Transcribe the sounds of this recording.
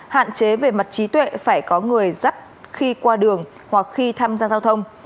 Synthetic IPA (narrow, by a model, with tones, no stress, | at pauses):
ha̰ː˧˨nt͡ɕe˨˦ve˨˩ma˨˩t̚t͡ɕi˨˦t̪wḛ˧˨faː˧˩jkɔ˨˦ŋɨ˨˩əjza˦˥t̚xi˧kwaː˧ɗɨ˨˩əŋ | hwa˨˩k̚xi˧t̪ʰaː˧mzaː˧zaː˧wt̪ʰə˧wŋ͡m